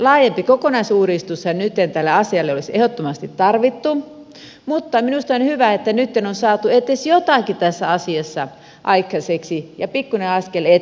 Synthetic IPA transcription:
lɑːjempikokonɑisuːɾist̪ushɑnnyt̪ːent̪ælːeɑsiɑlːeolisehot̪ːomɑst̪it̪tɑrʋit̪ːu | mut̪ːɑminust̪ɑnhyʋæet̪ːænyt̪ːenonsɑːt̪uet̪ːesjot̪ɑkit̪æsːæɑsiɑsːɑ | ʔɑikːɑseksijɑpikːuneɑskele

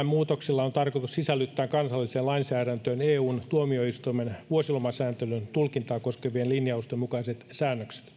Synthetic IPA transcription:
mmuːt̪oksilːɑont̪ɑrkot̪ussisælːyt̪ːæːkɑnsɑlːiseːnlɑinsæːɾænt̪øːneːuːnt̪uomioist̪uimenʋuosilomɑsæːnt̪elynt̪ulkint̪ɑːkoskeʋienlinjɑust̪emmukɑiset̪sæːnːøkse̥t̪

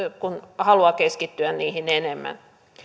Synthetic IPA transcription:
kunhɑluɑkeskit̪ːyænniːhinenemːæ̰n

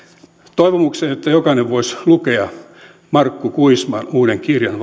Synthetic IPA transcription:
t̪oiʋomukseːnot̪ːæjokɑneʋʋoislukeɑ | mɑrkːukuismɑnuːɾeŋkirjɑnʋ

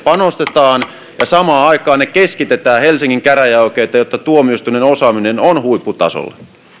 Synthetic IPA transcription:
pɑnost̪et̪ɑːn | jɑsɑmɑːɑikɑːnekeskit̪et̪æːhelsiŋːiŋkæræjɑykeːt̪ɑjot̪ːɑt̪uomiust̪unenosɑːminenonhuipːut̪ɑ̰so̰lːḛ

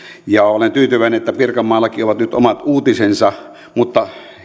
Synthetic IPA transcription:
jɑolent̪yːt̪yʋæˑeneʔʔet̪ːæpirkɑmːɑːlːɑkioʋɑt̪nyt̪omɑt̪uːt̪isensɑ | mut̪ːɑ

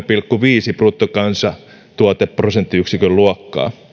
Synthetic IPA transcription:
pilkːuʋiːsiprut̪ːokɑnsɑ | t̪uɑt̪epprosent̪ːiyksikølluɑkːɑ̰ː

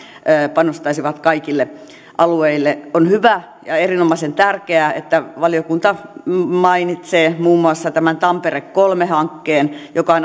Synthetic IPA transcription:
pɑnost̪ɑisiʋɑt̪kɑikilːe | ʔɑlueilːeonhyʋæ | jɑerinomɑisent̪ærkeæḛt̪ːæʋɑliokunt̪ɑmɑinit̪seːmuːmːuɑsːɑt̪æmænt̪ɑmperekkolmehɑŋkːeːnjokɑn

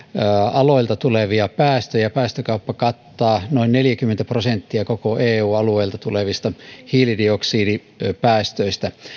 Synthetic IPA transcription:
ɑloilt̪ɑt̪uleʋiɑpæːst̪øjɑpæːst̪økɑupːɑkɑt̪ːɑːnoinneljækymːent̪æprosent̪ːiækokoeːuːɑlueilt̪ɑt̪uleʋist̪ɑhiːlidioksiːdi | pæːst̪øist̪æ

